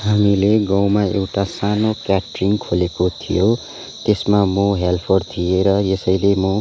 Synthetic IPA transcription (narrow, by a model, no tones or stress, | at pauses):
ɦamileɡʌ̃wmaḛwʈasanokjaʈriŋkʰolekot̪ʰḭjo | t̪esmamoɦelpʰoɖt̪ʰijeɾʌjesʌjlemo